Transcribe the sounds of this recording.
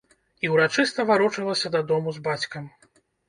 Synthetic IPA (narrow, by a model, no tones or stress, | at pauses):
iwɾat͡ʂɨst̪ɐvaɾɔt͡ʂɨlˠɐsʲɐd̪ɐd̪ɔmuzbat͡sʲkɐm